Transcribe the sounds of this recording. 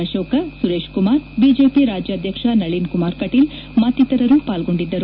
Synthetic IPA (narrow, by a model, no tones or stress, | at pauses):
ɐʃɔːkɐsuɾeːʃkumaːɾbiːd͡ʒeːpiɾaːd͡ʒjɐːd̪ʱjɐkʂɐnɐɭinkumaːɾkɐʈil | mɐt̪ːit̪ːɐɾɐɾuːpaːlɡo̞ɳɖid̪ːɐɾu